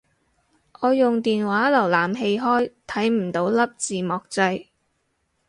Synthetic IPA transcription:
ʔɔː˨˧jʊ˨ŋt̪iː˨nwaː˨˥lɐ˨˩wlaː˨˩mɦe˧jɦɔː˥jt̪ʰɐ˨˥jm̩˨˩t̪o˨˥wlɐ˥p̚t͡siː˨mɔː˨˩k̚t͡sɐ˧j

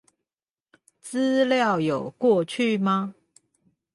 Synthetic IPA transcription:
t͡sɹ̩˦ljɑ˥˨ʊjo˨˩ʊkwɔ˥˧t͡ɕʰy˥˨ma˦

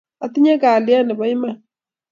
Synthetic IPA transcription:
a˨t̪i˦ɲa˦ɡa˨lɪ˦a˦nɛ˨bɔ˨˦i˦ma˦˨

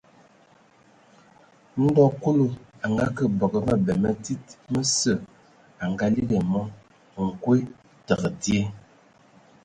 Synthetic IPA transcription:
n̩˦dɔ˦ku˦lo˨a˨ŋɡa˦kə˦˨bə˨ɡə˨mə˦bɛ˨mə˦ti˦t̚mə˦sə˦˨ | a˨ŋɡa˦li˦ɡe˨mɔ˦˨ | ŋ̩˨kwe˦ | tə˨ɣə˨di˦e˦

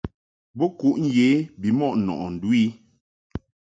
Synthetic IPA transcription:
bo˦ku˦ʔn̩˦je˨˦bi˨mɔ˦˨ʔnɔ̰˨ʔɔ˨n̩˨dwi˦

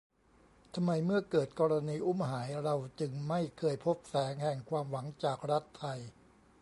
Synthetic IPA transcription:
t̪ʰa˧mːa˧jmɯ˥˩ɐkɤː˨˩t̪̚kɔː˧ɾa˧niː˧ʔu˥˩mɦaː˩˦jɾa˧wt͡ɕɯ˧ŋma˥˩jkʰɤː˧jpʰo˦˥p̚sɛː˩˦ŋhɛ˨˩ŋkʰwaː˧mwa˩˦ŋt͡ɕaː˨˩k̚ɾa˦˥t̪ʰːa˧j

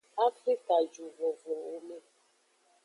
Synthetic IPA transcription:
a˦fɾi˦ka˨d͡ʒu˨vo˨vo˨o˦me˦

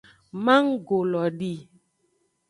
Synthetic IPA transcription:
mã˦ŋ˦ɡo˨lɔ˨ɖi˦˨

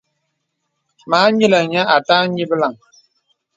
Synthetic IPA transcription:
maː˨˦ɲi˦lə˨ɲa˦a˨taː˦ɲi˦bə˦la˨ŋ

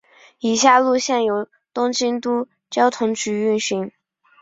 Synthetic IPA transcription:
i˨˩ɕja˥˧lu˥˧ɕjɛ˥˩njo˧˩ʊ | t̪ʊ˥ŋt͡ɕi˥nt̪u˥ | t͡ɕjɑ˥ʊt̪ʰʊ˧˥ŋt͡ɕy˧˥y˥˩nɕi˧˥n

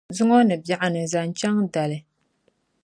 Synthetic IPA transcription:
zʊ˦ŋo˦nɨ˨bja˨ʔa˨nɨ˨za˨n˦t͡ʃa˦ŋda˨lɨ˨

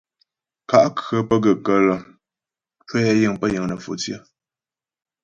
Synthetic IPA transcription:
ka˨ʔkɰə˨˦pə˦ɡə˨kə˦lə˨ | t͡ʃwe˦ja˦jɨ˦˨ŋpə˦jə˨ŋnə˨fo̰˨t͡sjə˦

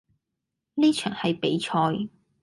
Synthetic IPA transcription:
niː˥t͡ʃʰœː˨˩ŋhɐ˨jpe˨˥jt͡ʃʰɔː˧j

